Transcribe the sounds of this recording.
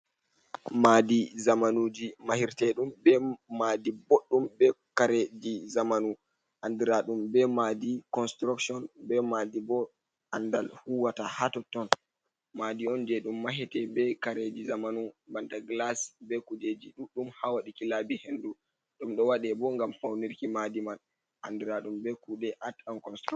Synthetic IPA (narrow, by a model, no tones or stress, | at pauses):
madizamanud͡ʒimahiɾtɛɗumbɛmadiboɗːumbɛkaɾed͡ʒizamanu | ʔandiɾaɗumbɛmadikɔnstɾuksɔnbɛmadibɔ | ʔandalhuwatahatɔtːɔn | madiɔnd͡ʒɛɗumːaɦɛtɛbɛkaɾed͡ʒizamanubantaɡlasbɛkud͡ʒed͡ʒiɗuɗumhawaɗikilabihendu | ɗumɗɔwaɗɛbɔŋɡamfawniɾkimadimal | ʔandiɾaɗumbɛkuɗɛʔatankɔnstɾu